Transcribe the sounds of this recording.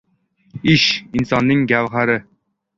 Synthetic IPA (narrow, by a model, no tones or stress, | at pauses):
iʃinsɑnːɨŋɡʲæwʁæɾɪ